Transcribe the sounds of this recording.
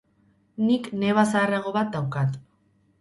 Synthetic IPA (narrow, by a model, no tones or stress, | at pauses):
nikne̞βasaːraɣ̞o̞βat̪̚d̪awkat̪